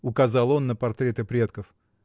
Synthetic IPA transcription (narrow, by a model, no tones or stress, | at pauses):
ʊkɐzɑlˠo̞nːəpɐrt̪ɾʲet̪ɨpɾʲet̪kəf